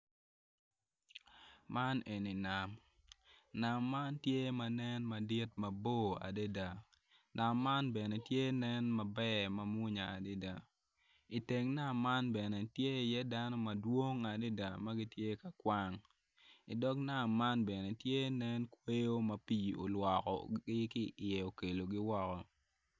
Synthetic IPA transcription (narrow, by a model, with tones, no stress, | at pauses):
ma˦ne˨ni˨na˨m | na˨mːa˦ntje˦ma˨nɛ˦nma˨di˦tmɐ˨bo˦a̰˨de˦da˨ | na˨mːa˦nbɛ˨nɛ˨tje˦nɛ˦nma˨bɛ˦ma˨mʊ˦ɲa˨a˨de˦da˨ | i˨te˨ŋna˦mːa˦nbɛ˨ne˨tje˦˨jɛ˦da˦nɔ˦mɐ˨dwo˦ŋa˨de˦da˨ma˦ɡɪ˦tje˦ka˨kwa˦ŋ | ɪ̰˨dɔ˦kna˨mːa˦nbɛ˨ne˨tje˦nɛ˦nkwe˦jo˦mɐ˨pi˨o̰˨lwɔ˨kɔ̰˨ɡɪ˦kɪ˦ɪ˨jɛ˨o˨ke˨lo˨ɡɪ˦wɔ˦kɔ˨